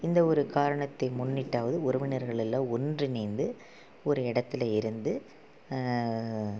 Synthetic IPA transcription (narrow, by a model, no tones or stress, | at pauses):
ɪnd̪ɐɔɾɯkaːɾɐɳɐt̪ːɐɪmʊɳːɪʈːaːʋɐðɯʊɾɐʋɪnɐɾɣɐɭɛlːãːɔndrɯnɛːnd̪ɯ | ɔɾɯɪɽɐt̪ːɪlɐɪɾɯnd̪ɯ